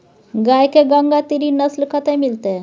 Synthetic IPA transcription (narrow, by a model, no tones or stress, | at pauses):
ɡajkeɡaŋɡat̪iɾinəslkʰət̪ɛmilt̪e